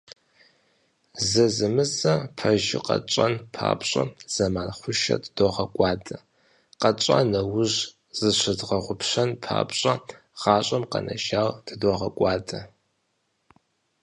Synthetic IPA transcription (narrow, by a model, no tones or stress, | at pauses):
zɐzɨmɨzɐpʰɐʒɪ̰qɐ̰t͡ʃʼɐnpʰa̰ːpɕʼɐ̰z̥ɐmaːnχʷʊʃɐ̰dɨd̥oʁɐkʷʼɑːtʰʼɐ | qɐt͡ʃʼa̰nɐwʊʑ | z̥ɨɕɨdʁɐʁʷʊpɕɐnpʰa̰ːpɕʼɐ | ʁ̥ɑːɕʷʼɐmqɐ̰nʔɐ̰ʒaːwdʰɨdoʁɐkʷʼɑːtʰʼɐ